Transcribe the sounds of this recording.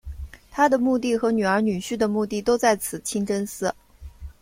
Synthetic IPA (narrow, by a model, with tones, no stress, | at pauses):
t̪ʰa˥d̪ə˨mu˥˧t̪i˥˩xɤ˧˥ny˨˩ə˞˧˥ny˨˩ɕy˥˩d̪ə˩mu˥˧t̪i˥˩t̪o˥ʊt͡sa˥˩ɪt͡sʰɹ̩˨˩t͡ɕʰi˥ŋʈ͡ʂə˥nsɹ̩˥˩